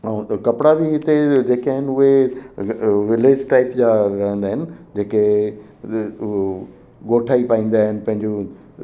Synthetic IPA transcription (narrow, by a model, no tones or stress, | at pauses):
kɐpɽabɪɦɪt̪ed͡ʑeːkaːɦɪnɪ̆ʊɦe | ʋɪleːd͡ʑʈaːɪpd͡ʑaɾɐɦə̃nd̪aːɦɪnɪ̆d͡ʑeːke | ɡoːʈʰaːipaːĩːn̆d̪aːɦɪnɪ̆pɐ̃ɦɪ̃ɲd͡ʑo